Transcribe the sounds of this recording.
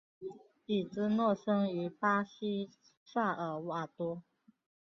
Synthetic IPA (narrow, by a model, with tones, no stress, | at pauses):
i˨˩t͡sɹ̩˥nwɔ˥˩ʂɤ˥ŋy˧˥˦pa˥ɕi˥ | ʂa˥˩ə˨˩˦wa˨˩t̪wɔ˥